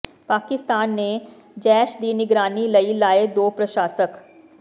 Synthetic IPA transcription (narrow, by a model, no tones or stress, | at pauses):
paːkɪst̪aːnːe | d͡ʒɛːʃd̪iːnɪɡɾaːnilɐilaːed̪oːpɾɐʃaːsək